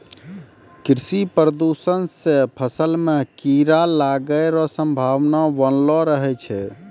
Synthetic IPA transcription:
kɾisipɾəd̪usənsepʰəsəlmekiɾalaɡəjɾɔsəmbʱaʋnabənlɔɾəɦɛt͡ʃʰɛ

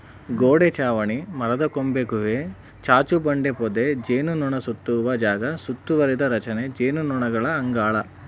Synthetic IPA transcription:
ɡoːɽet͡ʃaːʋɐɳimɐɾɐd̪ɐkombeɡuʋe | t͡ʃaːt͡ʃubɐɳɖepɔd̪ed͡ʒeːnunuɳɐsut̪ːuʋɐd͡ʒaːɡɐsut̪ːuʋɐɾid̪ɐɾɐt͡ʃɐned͡ʒeːnunuɳɐɡɐɭɐɐŋɡaːɭɐ

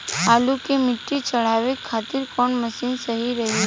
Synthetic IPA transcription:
ɦaːlukemɪʈːit͡ʃɐɽ̤aːʋekʰːaːt̪ɪɾkɔːnməsiːnsɐɦiɾɐɦi

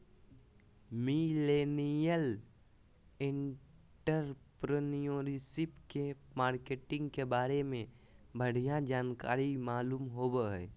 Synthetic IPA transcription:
mileːnijəl | ɪ̃ɳ | ʈəɾpɾənijoːɾisɪpke | maːɾkeːʈɪ̃ŋɡkebaːɾemẽ | bʱəɽ̤ijãd͡ʒaːnka̰ːɾimaːluːmɦoːbəɦɛː

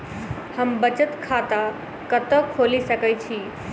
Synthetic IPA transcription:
həmbət͡ʃət̪kʰat̪a | kət̪əkʰoːlisəkəjt͡ʃʰiː

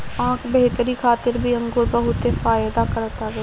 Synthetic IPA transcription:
ãːkʰbeɦt̪əɾikʰaːt̪ɪɾbʱiə̃ŋɡʊɾbəɦʊt̪efaːjd̪aːkəɾt̪aɡe

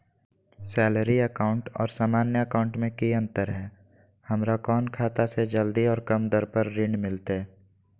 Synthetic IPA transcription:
sɛːləɾiəkaːʊ̃ɳʈɔ̰ːɾsaːmaːnjəəkaːʊ̃ɳʈmẽkiə̃nt̪əɾɦɛː | həmɾakɔːnkʰaːt̪ased͡ʒəld̪iɔːɾkəmd̪əɾpəɾɾɪɳmɪlt̪e

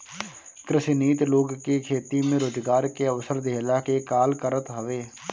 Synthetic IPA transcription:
kɾɪsiniːt̪loːɡkekʰeːt̪imẽɾoːd͡ʒɡaːɾkeəʋsəɾd̪eːlaːkekaːlkəɾət̪ɦəʋeː

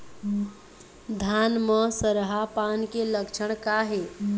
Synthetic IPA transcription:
d̪ʱanməsəɾɦapankeləkt͡ʃʰəɽ̃kaɦe

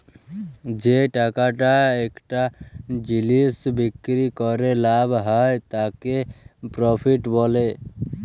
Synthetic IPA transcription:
d͡ʒeʈakaʈaekʈad͡ʒilisbikɾikɔɾelabɦəjt̪akepɾɔpʰiʈbole

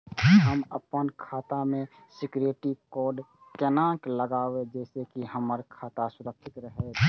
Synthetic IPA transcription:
ɦəməpənkʰaːt̪amẽsɪkɾeːʈikɔːɖkɛːnãːkləɡaːwed͡ʒɛːsekiɦəməɾkʰaːt̪asʊd̪əkʰːɪt̪ɾəɦe

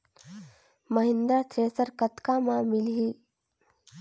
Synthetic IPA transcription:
məɦɪnd̪ɾat̪ʰɾeːsəɾkət̪kamãmɪlɦiː

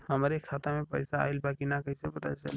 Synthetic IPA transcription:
həmaɾekʰat̪amẽpə̰jsa̰ːilbaːkinakəɦisepət̪a̰t͡ʃə̰l

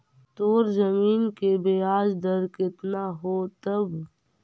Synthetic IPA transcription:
t̪oːɾzɐmiːnkebejaːd͡ʒd̪əɾkɪt̪naɦoːt̪ɐb

